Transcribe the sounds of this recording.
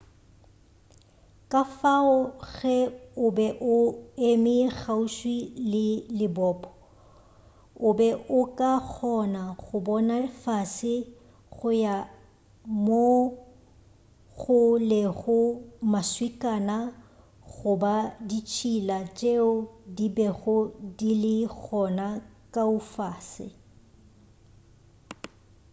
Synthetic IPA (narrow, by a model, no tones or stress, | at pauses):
kʼafaʊɣɛʊbɛʔʊemɪɣauʃwilɪlɪbɔːpʼɔ̥ | ʊbɛʔʊkʼak͡xʰɔnaɣʊbɔnafasɪ | ɣʊja | mo | ɣʊlɪɣʊmaswikʼaːna | ɣʊbadit͡ʃʰilat͡ʃʼeʊdibɛɣʊdilɪɣʰɔnakʼaʊfaːsɪ̰